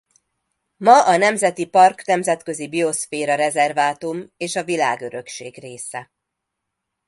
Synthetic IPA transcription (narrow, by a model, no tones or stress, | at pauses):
mɒʔɒnɛmzɛt̪ipɒrknɛmzɛt̪kø̞zibio̞sfeːɾɒɾɛzɛrvaːt̪umeːʃɒvilaːɡø̞ɾø̞kʃeːɡreːsɛ